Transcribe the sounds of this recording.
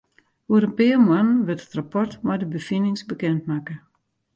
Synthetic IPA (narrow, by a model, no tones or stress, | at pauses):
huəɾənpɪəmwanʋɪtətrapɔrtmɔjdəbəfinɪŋsbəkɛntmakə